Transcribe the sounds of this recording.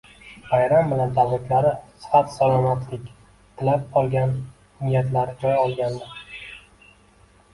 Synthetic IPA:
vajɾambɪland̪avlat̪laɾɪsɨ̥fat̪salˠɒmat̪ʰlɪkʲ | t̪ʰɪlap̚ɒlˠɡʲan | nɪjat̪laɾɪd͡ʒɒjɒlˠɡʲand̪ɪ

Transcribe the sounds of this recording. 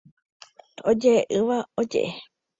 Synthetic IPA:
od͡ʒeʔɨʋaod͡ʒḛʔe

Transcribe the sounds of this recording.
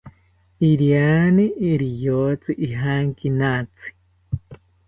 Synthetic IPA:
iɾjaniiɾijot͡siʔiɦaŋkinat͡si̥

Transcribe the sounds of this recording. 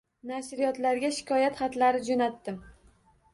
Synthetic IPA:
naʃɾɪjɒt̪laɾɡʲaʃɪ̥kʲʰɒjat̪χɑt̪laɾɪd͡ʒonat̪ːɪm

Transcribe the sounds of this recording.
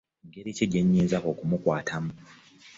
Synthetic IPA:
ŋɡeɾiciɟeɲːeːzako̞kumukwaːtʰamu

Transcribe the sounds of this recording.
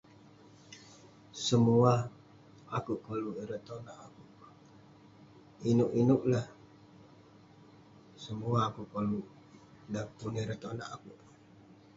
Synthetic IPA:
səmua | akuʔkoluʔiɾət̪onaʔakuʔ | inuʔinuʔlah | səmuaːkuʔkoluʔ | dapuniɾət̪onaʔakuʔ

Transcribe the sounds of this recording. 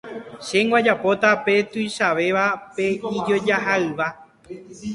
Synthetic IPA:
ʃe̞ŋɡwad͡ʒapo̞t̪ape̞t̪ujʃaʋe̞ʋape̞id͡ʒo̞d͡ʒaɦaɨʋa

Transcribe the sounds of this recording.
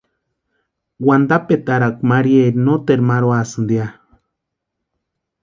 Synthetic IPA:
wand̪apet̪aɾakʷmaɾieɾnot̪eɾmaɾoasɨnd̪ia

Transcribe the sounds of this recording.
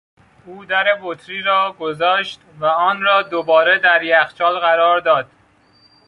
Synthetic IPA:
uːd̪æɾe̞bot̪ʰɾiːɾɒːɡozɒːʃt̪væɒːnɾɒːd̪obɒːɾed̪æɾjæxt͡ʃɒːlɣæɾɒːɾd̪ɒːd̪̥̚

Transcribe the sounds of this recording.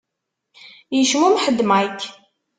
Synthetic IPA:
jəʃwumħəd̪ːmak

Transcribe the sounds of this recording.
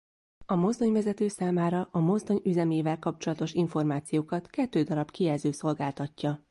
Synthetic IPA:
ɒmo̞zd̪o̞ɲvɛzɛt̪øːsaːmaːɾɒʔɒmo̞zd̪o̞ɲyzɛmeːvɛlkɒpt͡ʃo̞lɒt̪o̞ʃiɱfo̞rmaːt̪sijoːkɒt̪kɛt̪ːøːd̪ɒɾɒbkijɛlzøːso̞lɡaːlt̪ɒcːɒ

